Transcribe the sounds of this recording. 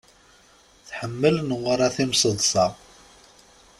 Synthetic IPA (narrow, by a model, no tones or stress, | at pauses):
θħəmːəlnəʁɾˤæθimsəðˤsˤɑ